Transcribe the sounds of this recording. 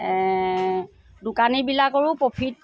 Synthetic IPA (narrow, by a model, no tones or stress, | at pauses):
dʊkanibilakoɹʊpopʰit̚